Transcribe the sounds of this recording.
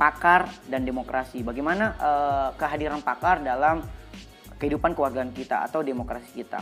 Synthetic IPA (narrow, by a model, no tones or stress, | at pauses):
pakardandemokɾʔasibaɡajmanaʔəkəɦadiɾanpakardalam | kəhidupankəwarɡaankit̪a̰a̰t̪awdemokɾasi̥kit̪a̰